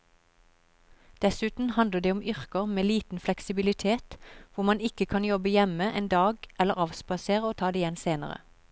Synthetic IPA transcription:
d̪̥ɛsʉːt̪n̩hɑnd̪əd̪eːʊmʏʁkəʁmeːliːt̪n̩flɛksɪbɪlɪt̪ʰeːt̪ʋʊʁmɑnɪkəkʰɑnjɔbəjɛməʔeːnd̪ɑːɡɛlːəʁɑʋspɑseːʁəoːt̪ʰɑːd̪eːjɛnseːnə̰ʁə̰

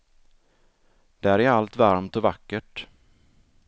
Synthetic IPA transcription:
d̪̥ɛæɾæɾalt̪vaɾmt̪ɔvakːəʈ

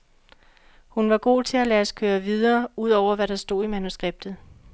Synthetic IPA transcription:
hunʋɑ̈ɡ̥o̝̰ːt͡sʰe̝ælæːskʰøːɐʋið̞ˠɐːuð̞̰ˠɒʊ̰ɐʋæɾ̥ɑ̈sd̥o̝̰ːimænusɡ̥ʁeb̥̚d̥ð̩ˠ

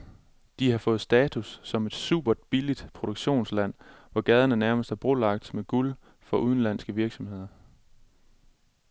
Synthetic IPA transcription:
d̥ihɑ̈fɔ̽ːð̩ˠsd̥ɛːt͡sʰusːɒ̽me̝d̥sṵːb̥ɐd̥̚b̥ilid̥pʰʁo̝ɾ̥oɡ̥ɕo̝̰ːnslæn̰ʋɒɡ̥ɛð̞ˠɐnənæɐməsd̥æɐb̥ʁolɑ̈ɡ̥̚d̥meɡ̥ul | fɒ̽ʔuð̞ˠn̩læn̰sɡ̥əʋiɐɡ̥sɒ̽mhe̝ð̞̰ˠɐ

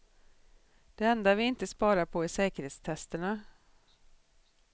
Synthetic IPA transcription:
d̪̥ɛɛnd̪avɪɪnt̪əspɑːɾapʰɔɪsɛːkəɾheːt̪st̪ʰɛst̪əɳa

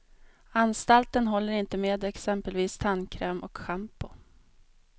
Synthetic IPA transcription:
anst̪alt̪ənɦɔlːəɾɪnt̪əmeːd̪ɛksɛmpəlviːst̪ʰankʰɾɛːmʔɔkɧampʊ

